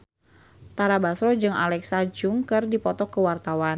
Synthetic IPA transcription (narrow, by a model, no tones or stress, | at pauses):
t̪aɾabasɾɔd͡ʒɨŋa̰lɛksad͡ʒʊŋkɨrdipɔt̪ɔkəwart̪awan